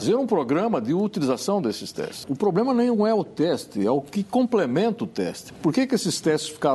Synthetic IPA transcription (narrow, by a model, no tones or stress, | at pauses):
zeɾũpɾoɡɾɐ̃mɐd̪ɪut̪ilizasɐ̃w̃d̪esɪst̪ɛ̰stʊpɾoblẽmɐnẽj̃nɐ̃w̃ɛʊt̪ɛst̪ɪɛʊkɪkõmplemẽnt̪ɐʊt̪ɛ̰st̪ɪ̥poɾkekɪesɪst̪ɛst̪ɪ̥sfi̥ka